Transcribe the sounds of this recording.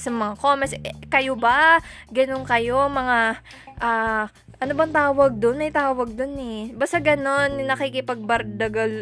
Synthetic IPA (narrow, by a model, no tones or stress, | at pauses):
sɐmɐŋakoːmɛsɛkɐjobaɡɐno̞nkɐjo̞mɐŋa | ʔaː | ʔɐnobɐŋt̪aːwɐɡ̚d̪onmɐjt̪aːwɐɡ̚d̪onɛbaːst̪ɐɡɐno̞nːnɐkikɪpɐɡ̚bɐɾd̪ɐɡɐl